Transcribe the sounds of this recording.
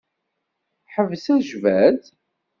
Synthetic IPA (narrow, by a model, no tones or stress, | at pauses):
ħəvsæʒvæd̪